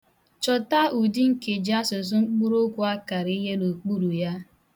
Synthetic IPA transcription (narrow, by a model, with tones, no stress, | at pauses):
t͡ʃɔ˨ta˦u˨di˦ŋ̩˦ke˨d͡ʒa˦sʊ˨s̬ŋ͡m̩˦k͡pu˦ɾo˦kʷʊ˨a˦ka˨ɾi˦ɦe˦no˨k͡pu˦ɾu˨ja˦